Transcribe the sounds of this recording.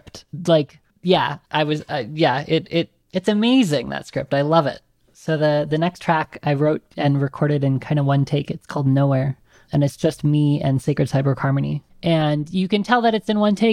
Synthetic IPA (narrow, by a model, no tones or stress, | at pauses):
p̚tlaɪk | jæ̰ʔaɪwʌzaɪjæɪɾɪɾ | ɨtsɨmeɪzɪ̃ŋðɨ̰tskɹ̥ɪp̚taɪlʌvɪ̰t̚ | soʊðɨðɨnɛkstʰɹ̥ækaɪɹoʊɾɨ̃nɹɨkʰɔɹɾɨɾɨ̃nkʰãɪ̃ndəwʌ̃ntʰeɪkɨtskʰɔlˠdⁿnoʊwɛɹ | ɨ̃nɨtsd̥ʒ̥ʌst̚miɨ̰̃nseɪkɹɨd̥saɪbə˞khɑɹmɨnḭ | ʔɨ̃njɨkɨ̃ntʰɛlˠðɨɾɨtsɨ̃nwʌ̃ntʰeɪ